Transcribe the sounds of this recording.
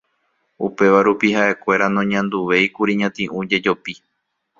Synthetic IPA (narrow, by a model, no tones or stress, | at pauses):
upe̞ʋaɾupiɦaʔe̞kʷe̞ɾanõɲãnd̪uʋe̞jkuɾiɲãt̪ĩʔũd͡ʒe̞d͡ʒo̞pi